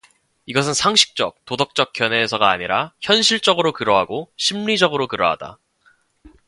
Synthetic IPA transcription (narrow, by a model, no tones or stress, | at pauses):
iɡʌs̬ʰɯnsʰaŋɕʰi̥k̚t͡ɕ͈ʌk̚t͈odʌk̚t͡ɕ͈ʌk̚k͈jʌnɦeːsʰʌɡaːɲiɾaçjʌnɕʰiɭt͡ɕ͈ʌɡɯɾokɯɾʌɦaɡoɕʰimɭid͡ʑʌɡɯɾokɯɾʌ̰ɦa̰d̥a̰